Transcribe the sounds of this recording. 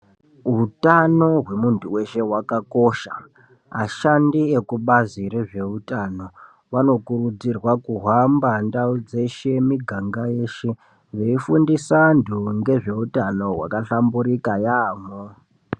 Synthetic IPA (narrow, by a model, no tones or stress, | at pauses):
ɦutano̞ɦwe̞muntuwe̞ʃe̞wakako̞ʃa̰ | maʃandiekuɓaziɾe̞ʐe̞utano̞ | ʋano̞kurud͡zirwakuɦambandaud͡ze̞ʃe̞miɡʱaŋɡaje̞ʃe̞ | ʐeifundisandʱuŋɡe̞ʐe̞utano̞wa̰kaɬambuɾikajaːmo